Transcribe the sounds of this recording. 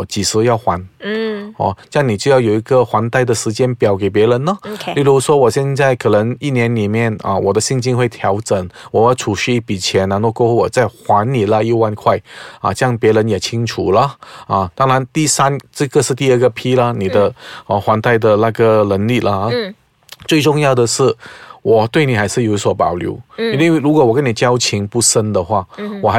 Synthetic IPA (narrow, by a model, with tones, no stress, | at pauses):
t͡ɕi˨˩ʂɹ̩˧˥jɑ˥˩ʊxwa˧˥n | ɔ̰˧˩t͡ɕjɑ˥˩ŋni˨˩t͡ɕjo˥˧jɑ˥˩ʊjo˨˩i˧˥ɡə˧xwa˧˥nt̪a˥˩ɪdə˩ʂɻ̩˧˥t͡ɕjɛ˥npjɑ˨˩ʊke˨˩ɪp̬jɛ˧˥ɻə˧˥nːə˧li˥˩ɻu˧˥ʂwɔ˥wɔ˨˩ɕjɛ˥˧nt͡sa˥˩ɪkʰɤ˨˩nə˧˥ŋi˥˩njɛ˧˥nli˨˩mjɛ˥˩nə̰˧wʔɔ˨˩d̪ə˦ɕi˥˧ŋt͡ɕi˥nxwe˥˩ɪt̪ʰjɑ˧˥ʊʈ͡ʂə˨˩ŋwɔ˨˩jʊʈ͡ʂʰu˨˩ɕy˥pi˨˩t͡ɕʰjɛ˧˥na˧˥nt̪o˥˧ko˥˧u˥˩wɔ˨˩t͡sa˥˩ɪxwa˧˥nni˨˩lə˧i˥˧wa˥˧nkʰwa˥˩ɪɐ̰˨˩t͡ɕjɑ˥˧ŋpjɛ˧˥ɻə˧˥njɛ˨˩t͡ɕʰi˥ŋʈ͡ʂʰu˨˩lə˦ɐ˨t̪ɑ˥ŋɻa˧˦nt̪i˥˧sa˥nʈ͡ʂə˥˧ɡə˧ʂɻ̩˥˧t̪̬i˥˧ə˥˩ɡə˨˩pʰi˥lə˨ni˨˩d̪ə˦ə˧xwa˧˥nt̪a˥˩ɪd̪ə˨na˥˧ɡə˨lə˧˥nli˥˩lʔə˦˧ | t͡swe˥˧ɪʈ͡ʂʊ˥˧ŋjɑ˥˩ʊd̪ə˨ʂɻ̩˥˩wɔ˨˩t̪we˥˩ɪni˨˩xa˧˥ɪʂɻ̩˥˩jo˨˩ʊ˥swɔ˧˥pɑ˨˩ʊljo̰˧˥ʊi˥nwwe˥˩ɻu˧˥kwɔ˨˩wɔ˨˩kə˥ni˨˩t͡ɕjɑ˥ʊt͡ɕʰi˧˥ŋpu˥˩ʂə˥nd̪ə˨xwa˥˩wɔ˨˩xa˧˥